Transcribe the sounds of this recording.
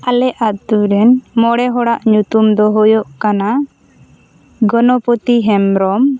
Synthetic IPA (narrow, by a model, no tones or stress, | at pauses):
alɛʔat̪uɾɛnmɔɽɛɦɔɽaʔɲut̪umd̪ɔɦɔjɔʔkana | ɡɔnɔpɔt̪iɦɛmɾɔm